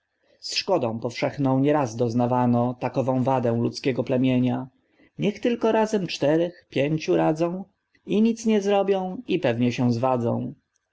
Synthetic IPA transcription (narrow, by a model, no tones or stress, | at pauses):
sʂkɔd̪ɔ̃w̃pɔfʂɛxnɔ̃w̃ɲɛɾazd̪ɔznavanɔt̪akɔvɔ̃w̃vad̪ɛ̃w̃lṵt̪skʲɛɡɔplɛmʲjeɲa | ɲɛxt̪ɘlkɔɾazɛmt͡ʂt̪ɛɾɛxpʲjeɲt͡ɕuɾad̪zɔ̃w̃ | iɲit̪sɲɛzɾɔbʲjɔ̃w̃ipɛvɲɛɕɛw̃zvad̪zɔ̰̃w̃